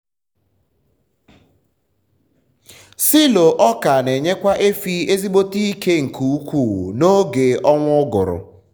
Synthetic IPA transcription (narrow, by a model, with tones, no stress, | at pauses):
si˦lo˨ʔɔ˦ka˨ne˨ɲe˦kʷa˦ʔe˦fi˦e˦zi˦ɡ͡bo˦ti˦i˦ke˦ŋ̩˨kʰu˨u˦kʷu˦˨no˦ɡe˨ɔ˦ŋʷʊ˦ɡʊ˨ɾʊ̰˨